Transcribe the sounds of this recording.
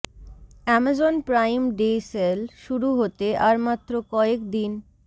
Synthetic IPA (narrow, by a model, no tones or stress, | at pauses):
ɛmad͡ʑonpɾajmɖeselʃuɾuɦot̪eʔaɾmat̪ːɾokɔekd̪in